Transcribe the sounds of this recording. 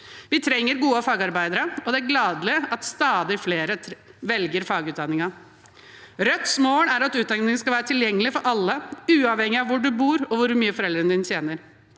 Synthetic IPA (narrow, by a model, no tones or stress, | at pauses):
ʋɪt̪ʰɾɛŋːəɾɡuːəfɑːɡɑɾbæɪd̪əɾəɔd̪ɛæɾɡlɑːd̪lɪɑt̪st̪ɑːd̪ɪfleːɾəʋɛlɡəɾfɑːɡʉːt̪d̪ɑnɪŋɑ | ɾœt̪smoːɳæɾɑt̪ʉːt̪̚d̪ɑnŋnɪŋskɑʋæːɾət̪ʰɪljɛŋːəlɪfɔɾʔɑlːəʉːɑʋhɛŋːɪɑʋʋʊɖʉbuːɾɔʋʊɾmyːəfɔɾɛld̪ɾənəd̪ɪnət̪jeːnəɾ